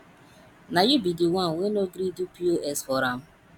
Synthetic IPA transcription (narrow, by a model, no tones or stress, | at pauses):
najubidiwanwenoɡɾidupioʔɛsfɔɾam̩